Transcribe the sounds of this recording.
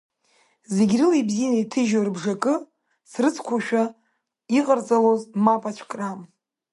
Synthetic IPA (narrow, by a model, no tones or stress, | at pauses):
zeɡʲrɨlibzinaitʰɨʒarbʐakʼɨ | srɨt͡sʰkʷʰaʃᶣa | iqʼərt͡sʼalozmapʼat͡ʃʷʰkʼram